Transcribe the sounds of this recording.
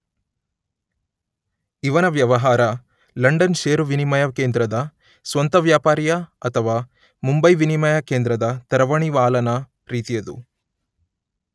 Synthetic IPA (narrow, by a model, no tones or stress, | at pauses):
iʋɐnɐʋjɐʋɐɦaːɾɐ | lɐɳɖɐnʃeːɾuʋinimɐjɐkeːnd̪ɾɐd̪ɐ | sʋɐnt̪ɐʋjaːpaːɾjɐɐt̪ʰɐʋaː | mumbɐjʋinimɐjɐkeːnd̪ɾɐd̪ɐt̪ɐɾɐʋɐɳiʋaːlɐnɐ | ɾiːt̪ijɐd̪ṵ